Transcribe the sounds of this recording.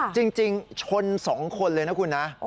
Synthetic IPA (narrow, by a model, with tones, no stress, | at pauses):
t͡ɕi˧ŋt͡ɕi˧ŋt͡ɕʰo˧nsɔː˩˦ŋkʰo˧nlɤː˧jna˦˥kʰu˧nːa˦˥